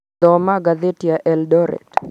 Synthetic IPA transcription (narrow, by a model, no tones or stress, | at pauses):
ɔmaɡaðetiaʔɛldɔɾɛ̰t